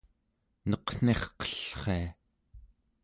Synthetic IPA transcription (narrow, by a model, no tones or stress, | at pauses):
nʌqn̥e̞χqʌ̥ɬχea